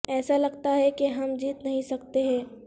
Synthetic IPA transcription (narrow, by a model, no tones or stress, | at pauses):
ɛːsalɐɡt̪aɦɛkeɦɐmd͡ʒiːt̪nɐɦĩsɐk̚t̪eɦɛ̃ː